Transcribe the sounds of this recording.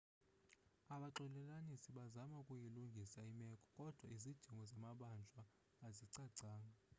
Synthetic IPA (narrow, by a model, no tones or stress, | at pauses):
aɓaǁɛlɛlanisiɓazamaukʼujiluŋɡʱisaimɛkʼɔ̥kʼɔd̥ʱwaizid̥ʒ̥ʱiŋɡʱɔzamaɓand͡ʒʱwaː | ziǀaǀaːŋa